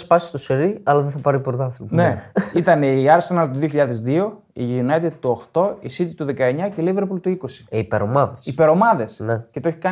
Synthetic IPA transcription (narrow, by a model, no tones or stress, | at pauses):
spɐsi̥st̪oseɾiɐlɐðeθɐpɐɾipoɾt̪ɐfneit̪ɐneiɐɾse̞nɐlt̪oðio̞çiʎɐðe̞zðio̞ | iʝinɐt̪et̪t̪uo̞xt̪o̞isit̪it̪uðekɐe̞ɲɐcelive̞ɾpult̪uiko̞si̥ipeɾo̞mɐðesipe̞ɾo̞mɐðe̞snecet̪oeçi̥kɐ